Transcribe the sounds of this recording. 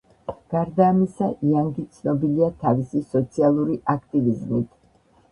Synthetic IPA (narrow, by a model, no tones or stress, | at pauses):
ɡ̥aɾd̪aːmisaʔiaŋɡit̪sʰnɔbiliat̪ʰavisisɔt̪sʰialˠuɾiʔakʰt̪ʼivizmit̪ʰ